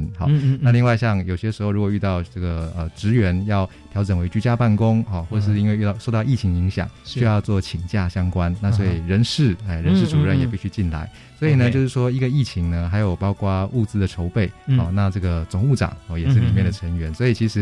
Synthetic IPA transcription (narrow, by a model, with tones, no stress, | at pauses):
nxɑ̰˨˩na˥˧li˥˧ŋwa˥˧ɪɕjɑ˥˧ŋjo˨˩ʊɕjɛ˥ʂɻ̩˧˥xo˥˧ʊɻu˧˥kwɔ˨˩y˥˧t̪ɑ˥˧ʊʈ͡ʂə˥˩ɡə˩ə˨˩ʈ͡ʂɻ̩˧˥ɥɛ˧˥njɑ˥˩ʊt̪ʰjɑ˧˥ʊʈ͡ʂə˨˩nwe˧˥ɪt͡ɕy˧˥t͡ɕja˥pa˥˩nkʊ˥ŋxɔ˥˧xwɔ˥˩ə˨˩ʂɻ̩˥˧i˥nwe˥˧y˥˧t̪ɑ˥˧ʊʂo˥˧ʊt̪ɑ˥˧ʊi˥˩t͡ɕʰi˧˥ŋəi˧˥ŋɕjɑ̰˨˩˦ŋɕʰy˥˧jɑ˥˧ʊt͡swɔ˥˩t͡ɕʰi˨˩ŋt͡ɕja˥˩ɕjɑ˥ŋkwa˦nna˥˩s̬wɔ˧˥i˨˩ɻə˧˥nʂɻ̩˥˩e˥˩ɻə˧˥nʂɻ̩˥˩ʈ͡ʂu˨˩ɻə˥˧˩njɛ˨˩pi˥˧ɕʰy˥˧t͡ɕi˥˩nla̰˧˥˦ɪ | swɔ˧˥i˨˩nə˩˦t͡ɕo˥˧ʂɻ̩˥˩ʂwɔ˥i˧˥ɡə˧i˥˩t͡ɕʰi˧˥ŋnə˧xa˧˥ɪjo˨˩ʊpɑ˥ʊkwa˥u˥˩t͡sɹ̩˥d̪ə˨ʈ͡ʂʰo˧˥ʊpe˥˩ɪxɔ˥˩na˥˧ʈ͡ʂɤ˥˩ɡə˩t͡sʊ˨˩ŋu˥˩ʈ͡ʂɑ̰˨˩ŋɔ˥˩jɛ˨˩ʂɻ̩˥˩li˨˩mjɛ˥˩nd̪ə˩ʈ͡ʂʰə˧˥ŋɥɛ˧˥nswɔ˧˥i˨˩t͡ɕʰi˧˥ʂɻ̩˧˥